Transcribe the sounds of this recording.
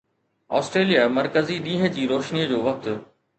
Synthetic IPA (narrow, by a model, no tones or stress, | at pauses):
ɔ̰ːsʈɾeːlijamɐɾkəziɗĩːɦə̆d͡ʑiːɾoːʃniəd͡ʑoːʋɐk̚t̪ʊ